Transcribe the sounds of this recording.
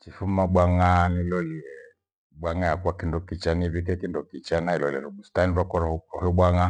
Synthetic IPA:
t͡ʃifumaɓwaŋanilɔliɛ | ɓwaŋajakuakindɔkit͡ʃaniβikɛkindɔkit͡ʃanailɔlɛ̰ɾumustaniɾwakɔɾahɔɓwaŋa

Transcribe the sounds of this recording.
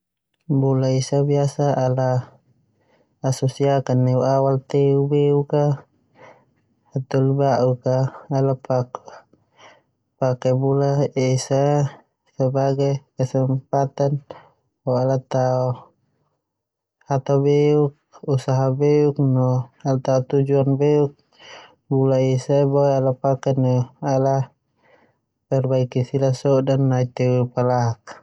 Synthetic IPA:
bulaisabiasaːla | sɔsiakanːɛuawalt̪ɛubeuka | at̪ɔlibaʔukaːlapak | pakɛbulaɛsa | səbaɡakəsɛmpat̪an | bɔalat̪aɔ | at̪abɛuk̚usaɦabɛuk̚nɔalat̪aut̪ud͡ʒuanbɛuk̚ | bulaisabɔɛalapakɛnɔala | pɛrbaikisilasɔdanːait̪ɛwpalaɦak̚

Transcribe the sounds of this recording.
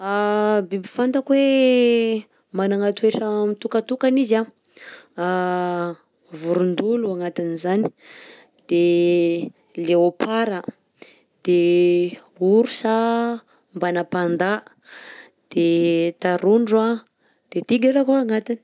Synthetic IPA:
abibifant̪əkwe | manaŋat̪ueʈ͡ʂamit̪ukat̪ukaniza | a | vuɾund̪uluaŋat̪inizani̥ | d̪̥e | leopʰaɾə | d̪̥e | uɾusa | mbanapand̪a | d̪̥et̪aɾunɖ͡ʐa | d̪̥et̪iɡʲaʈ͡ʂakuaŋat̪ini̥

